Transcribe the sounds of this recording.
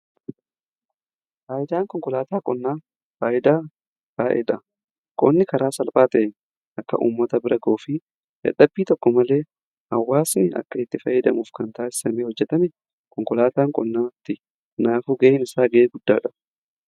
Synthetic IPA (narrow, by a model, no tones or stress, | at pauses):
faːʔɪd̪aːŋkɔŋkɔlaːt̪aːkʼɔnːaː | faːʔɪd̪aː | b̥aːʔɛ̰ᶑɐ | kʼɔnːɪkɐɾaːsɐlpʼaːt̪ɐʔen | ʔɐkːɐ̰ʔṵːmːɐt̪ɐbɪɾɐɡoːfɪ | ʔɐ̰ᶑɐbːiːt̪ɔkːɔmɐle̞ː | hɐwːaːsnɪʔɐ̰kːɐɪt̪ːɪfɐjːɛd̪ɐmuːfkɐnt̪aːsɪ̥sɐmeːhɔd͡ʒːɛt̪ɐmɛ | kɔŋkɔlaːt̪aːŋkʼɔnːaːt̪ːɪ | naːfuːɡɐʔɪnɪsaːɡɐʔeːɡʊd̪̥ːaːᶑɐ